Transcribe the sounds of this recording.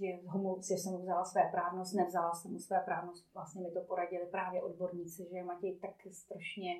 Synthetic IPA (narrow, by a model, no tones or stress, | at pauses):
ʒɛɦomusɛsɛmuvzalasvɛːpɾaːvnost̪nɛvzalasɛmusvɛːpɾaːvnost̪vlast̪ɲɛmɪt̪opoɾaɟɪlɪpɾaːvjɛʔodbo̞ɾɲiːt͡sɪʒɛɛmacɛjt̪akst̪ɾaʃɲɛ